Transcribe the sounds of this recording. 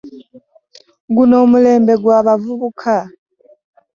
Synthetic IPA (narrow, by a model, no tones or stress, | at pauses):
ɡunoːmuleːmbeɡwaːβavuβukʰa